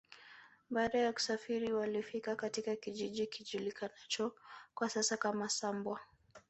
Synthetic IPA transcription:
ɓaːɗajaku̥safiɾiwalifikakatikakiʄiʄikiʄulikanat͡ʃɔkwasasakamasambwa

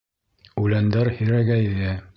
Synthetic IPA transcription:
ʉlænd̪æɾhɘ̆ɾæɡæðɘ

